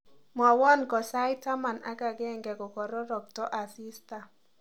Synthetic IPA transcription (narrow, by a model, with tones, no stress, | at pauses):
mɔ˨wɔ˦nkɔ˨sa˦jta˦ma˨na̰˦ka˨ɡɛ˦ŋɡɛ˨kɔ˨kɔ˨ɾɔ˦ɾɔ˨k̚tɔ˦ʔa˨si˦sta˨